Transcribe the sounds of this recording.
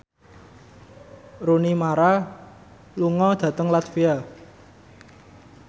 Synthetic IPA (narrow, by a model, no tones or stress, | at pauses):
ɾunimaɾa | luŋɔd̪̥ä̤t̪əŋlat̪fia